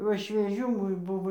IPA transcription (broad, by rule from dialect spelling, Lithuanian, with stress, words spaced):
ˈʋɐ ʃʲʋʲiɛˈʒʲuː ˈmʊm ˈbʊʋoː